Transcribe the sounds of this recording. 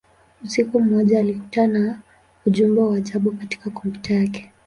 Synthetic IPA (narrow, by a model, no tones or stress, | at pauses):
usikum̩ːɔʄaːliku̥tana | uʄumbɛawaaʄaɓukati̥kakumɡu̥tʰajakɛ̥